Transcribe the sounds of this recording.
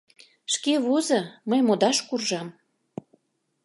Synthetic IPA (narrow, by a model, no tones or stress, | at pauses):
ʃkeβozɤməjmod̪ɑʃkurʒɑm